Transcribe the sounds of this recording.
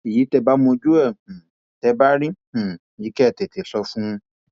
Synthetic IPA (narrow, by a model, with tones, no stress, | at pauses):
i˨ji˨˦tɛ˧ba˦mõ˧d͡ʒu˦ɛ̃˦˨ | tɛ˧˦ba˦ɾĩ˦˨i˨ji˨˦kɛ˦˨tɛ˨ti˨ɬɔ˧fũ˦˧